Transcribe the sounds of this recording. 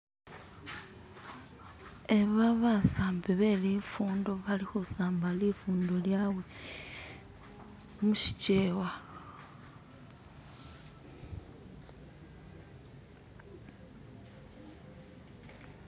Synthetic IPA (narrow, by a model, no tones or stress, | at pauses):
eβaβasaːmbiβe̞lifuːndo̞βalixusaːmbalifuːndo̞ljawe̞ | muʃi̥ceːwa